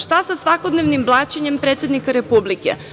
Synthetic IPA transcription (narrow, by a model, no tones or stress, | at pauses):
ʃt̪asasʋakod̪neʋnimblˠaːt͡ɕeɲempɾet̪sje̞d̪nikaɾe̞publikḛ